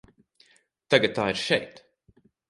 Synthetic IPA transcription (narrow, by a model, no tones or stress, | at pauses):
t̪aɡɐt̪̚t̪ːaːiɾʃɛjt̪